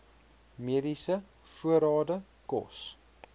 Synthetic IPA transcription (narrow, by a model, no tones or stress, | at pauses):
miədisə | fuəɾɑːdə | kɔ̰s